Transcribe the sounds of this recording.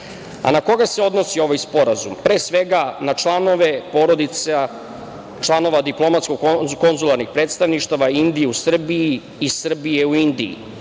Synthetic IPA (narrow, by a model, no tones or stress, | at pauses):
a̰nako̞ɡaseo̞d̪no̞sio̞ʋajspo̞ɾazumpɾe̞ːsʋe̞ɡanat͡ʃlano̞ʋe̞po̞ɾo̞d̪it̪sa | t͡ʃlˠano̞ʋad̪iplˠo̞mat̪skoɡko̞nzulˠaɾnixpɾe̞ːt̪st̪aʋniʃt̪aʋaind̪ieusr̩biiː | sr̩bijeuind̪ḭḭ